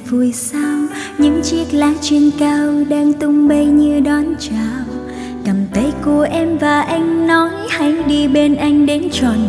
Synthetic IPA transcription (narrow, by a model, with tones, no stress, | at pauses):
vu˨˩əjsa˧w | ɲɨ̰˧˥ŋt͡ɕi˦˥ək̚laː˧˦t͡ɕwi˧nkaː˧wɗaː˧ŋt̪ʊ˧ŋ͡mɓə˧jɲɨ˧ɗɔ˨˦nt͡ɕaː˨˩w | kə˨˩mt̪ʰə˨˦jku˧˨˩əʔɛ˧mvaː˨˩ʔa˧jŋ̟nɔ˨˦jha˨˧˦jɗi˧ɓe˧nʔa˧jŋ̟ɗe˨˦nt͡ɕɔ˨˩n